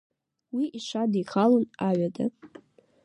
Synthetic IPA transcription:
wiʔiʂadijχalonaɥada

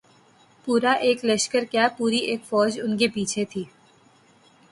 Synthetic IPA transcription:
puːɾaʔeːkləʃkəɾkjapuːɾieːkfɔːd͡ʒʊnkepiːt͡ʃʰet̪ʰiː

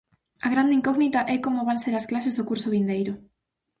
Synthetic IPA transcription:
aɣ̞ɾand̪iŋkoɣnit̪aʔɛkomoβanseɾasklasezðokuɾsoβ̞ind̪ejɾʊ

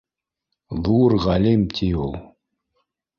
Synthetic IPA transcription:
ðurʁalimt̪ʰiolˠ

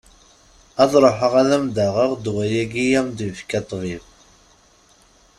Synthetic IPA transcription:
ɑðˤɾˤoħəʁæðæmd̪æʁəʁd̪wæjæɡijæmd̪ifkæt̪ˤːvið

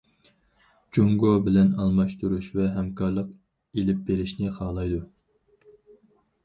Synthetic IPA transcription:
d͡ʒoŋɡobɪlɛnɑlˠmɑʃt̪uɾuʃvɛɦɛmkʰɑɾlˠəq | elɪp̚beɾɪʃnɪχʰɑːlˠɑjd̪u

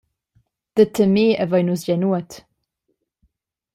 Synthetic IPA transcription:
d̥ətʰəmiːəvəjnusjɛnuət

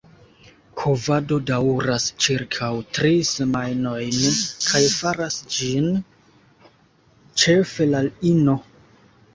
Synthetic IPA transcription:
kʰovado̞dawɾast͡ʃiɾkʰawtɾise̞majno̞jnkʰajfaɾasd͡ʒin | t͡ʃe̞fe̞lalino̞

